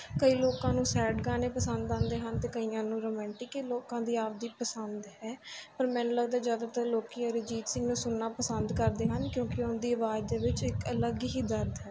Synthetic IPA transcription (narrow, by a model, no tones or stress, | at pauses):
kəiːloːkãːnũːsɛːɖɡaːneːpəsənd̪ãːnd̪eːɦənt̪eːkəiːãːnũːɾoːmɛ̃ːɳʈɪkeloːkãːd̪iːaːp̚d̪iːpəsənd̪ɦɛːpəɾmɛ̃ːnũːləɡd̪aːzjaːd̪aːt̪əɾloːkiːəɾeːd͡ʒiːt̪sɪ̃ŋɡnũːsʊnːaːpəsənd̪kəɾd̪eːɦənkjõːkɪʊnd̪iːəʋaːd̪eːʋɪt͡ʃɪkələɡɦiːd̪əɾd̪ɦɛː